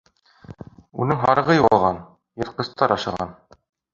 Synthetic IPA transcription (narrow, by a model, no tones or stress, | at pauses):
ṵnɘŋɦɑɾɤ̆ʁɤjuɑlˠʁɑn | jɤ̆ɾqɤ̆st̪ɑɾɑʃɤ̆ʁɑn